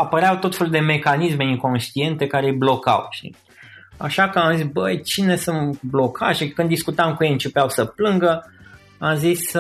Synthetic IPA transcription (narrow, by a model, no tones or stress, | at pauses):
apəɾeawt̪o̞t̪fe̞lud̪e̞me̞kanisme̞iŋko̞nʃt̪ie̞nt̪e̞kaɾejblo̞ka̰wʃḭ | a̰ʃakəamzisbəjt͡ʃine̞sunt̪blo̞kʰaʒekɨnd̪iskut̪amkujejɨnt͡ʃe̞peawsəplɨŋɡə | amzis